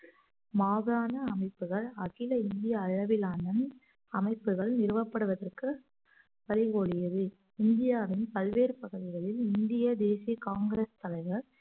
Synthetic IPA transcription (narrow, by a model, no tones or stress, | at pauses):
maːɣɯɾaːnɐːmɐɪpːɯɣɐɭɐɣɪlɐɪnd̪ɪjɐːɻɐʋɪlaːnɐn | ɐmɐɪpːɯɣɐɭnɪɾɯʋɐpːɐɽɯʋɐðɐrkɯ | pɐlɪɣoːɭɪjɐðɯ | ɪnd̪ɪjaːʋɪnpɐlʋeːɾpɐɣɯðɪɣɐɭɪlɪnd̪ɪjɐd̪eːsijɐkaːŋɡɪɾest̪ɐlɐɪɣɐɭ